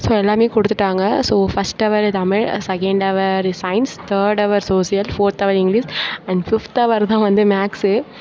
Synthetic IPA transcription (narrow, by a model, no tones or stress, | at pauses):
soːɛlːaːmeːkɔɽɯt̪ːɯʈːaːŋɡɐsoːfɐsʈɐʋɐɾt̪ɐmɪɻsɛkɐɳɖɐʋɐɾsɐɪnst̪ʰəːɾɖɐʋɐɾsoːsijɐlfoːɾt̪ɐʋɐɾɪ̃ŋɡlisɛ̃ɳɖfɪft̪ɐʋɐɾt̪ãːʋɐnd̪ɯmaːksɨ